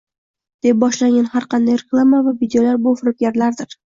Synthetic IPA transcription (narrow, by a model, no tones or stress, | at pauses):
d̪̥ep̚bɒʃlaŋʲanhaɾqɑnd̪ajɾeklˠamavavid̪ejolaɾbʊfɾɪp̚ɡʲaɾlaɾd̪ɪɾ